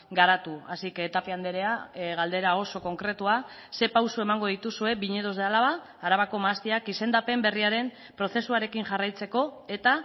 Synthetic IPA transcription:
ɡaɾat̪uasikeːt̪apeand̪e̞ɾe̞aɣald̪e̞ɾao̞so̞ko̞ŋkɾe̞t̪ua | se̞pawsue̞maŋɡo̞ð̞it̪usue̞βiɲe̞ðo̞zðealaβaː | ɾaβako̞maːst̪iakise̞nd̪ape̞mbe̞riaɾe̞m | pɾo̞θe̞suaɾe̞kiŋʝarajt͡se̞ko̞e̞t̪a

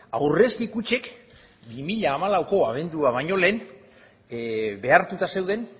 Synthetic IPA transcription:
a̰wre̞skikut͡ʃe̞k | bimiʎaːmalawko̞aβ̞e̞nd̪uaβ̞aɲo̞le̞ːn | be̞aɾt̪ut̪ase̞wð̞e̞n

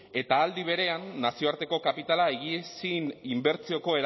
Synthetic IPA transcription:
e̞t̪aːld̪iβ̞e̞ɾe̞anːasio̞aɾt̪e̞ko̞kapit̪alaeɣisinimbe̞ɾt͡sio̞ko̞e̞ɾ

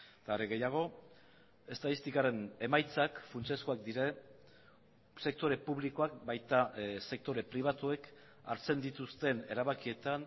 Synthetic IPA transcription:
t̪aːɾeɣe̞jaɣ̞o̞ | e̞st̪aðist̪ikaɾe̞ne̞majt͡sakfunt͡seskoak̚d̪iɾe̞ | se̞k̚t̪o̞ɾe̞puβliko̞ak̚bajt̪ase̞k̚t̪o̞ɾe̞pɾiβ̞at̪ue̞k | aɾt͡se̞nd̪it̪ust̪e̞ne̞ɾaβakie̞t̪an

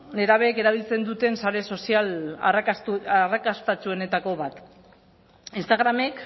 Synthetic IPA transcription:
neɾaβeke̞ɾaβilt͡se̞nd̪ut̪e̞nsaɾe̞so̞siala̰rarakast̪at͡sue̞ne̞t̪ako̞βat̪ | inst̪aɣɾame̞k

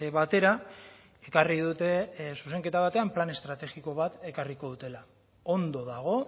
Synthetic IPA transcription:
βat̪e̞ɾa | e̞kariðut̪e̞suse̞ŋke̞t̪aβat̪e̞amplane̞st̪ɾat̪e̞ɣiko̞β̞at̪e̞kariko̞ðut̪e̞la | ond̪o̞ðaɣ̞o̞

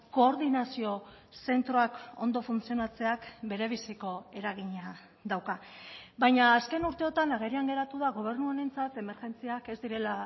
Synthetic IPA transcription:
ko̞ːɾðinasio̞ | se̞nt̪ɾo̞ako̞̰nd̪o̞funt͡sio̞nat͡se̞akbe̞ɾe̞β̞isiko̞e̞ɾaɣ̞iɲa | d̪awkabajɲaːske̞nuɾt̪e̞o̞t̪anaɣ̞eɾiaŋɡe̞ɾat̪uðaɣ̞o̞β̞e̞ɾnuone̞nt͡sat̪e̞me̞ɾʝe̞nt͡siake̞zd̪iɾe̞la

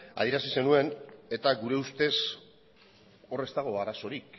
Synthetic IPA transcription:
a̰ðieɾasise̞nue̞ne̞t̪aɡuɾe̞ust̪e̞s | o̞re̞st̪aɣ̞o̞aɾaso̞ɾik

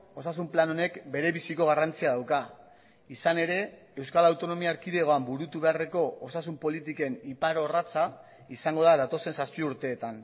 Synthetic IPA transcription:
o̞sasumplano̞ne̞kbe̞ɾe̞βisiko̞ɣ̞arant͡siaðawka | isane̞ɾe̞ | ewskalawt̪o̞no̞miaːɾkiðe̞ɣo̞ambuɾut̪uβe̞are̞ko̞osasumpo̞lit̪ike̞nipaɾo̞rat͡sa | isaŋɡo̞ðaðat̪o̞se̞nsaspiuɾt̪e̞ːt̪an

